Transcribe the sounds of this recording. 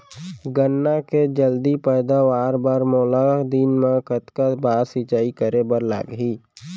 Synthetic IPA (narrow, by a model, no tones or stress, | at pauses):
ɡənːaked͡ʒəld̪ipɛːd̪aʋaːɾbaːɾmɔːlad̪inmẽkət̪kabaːsit͡ʃaːikəɾebəɾla̰ːɡɦiː